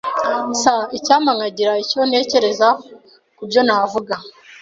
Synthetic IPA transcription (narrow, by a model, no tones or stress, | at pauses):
saicaːmaŋaɟiɾaico̞ne̞ːce̞ɾe̞za | kubɟo̞navuɡa